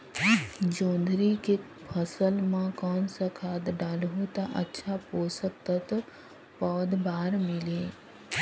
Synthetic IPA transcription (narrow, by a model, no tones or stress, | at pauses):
d͡ʒõːnd̪ʱɾike | pʰəsəlmãkɔːnsakʰaːd̪ɖaːlɦũt̪aʔə̰tːʃʰapoːsək̚t̪at̪o | pɔːd̪baːɾmɪleː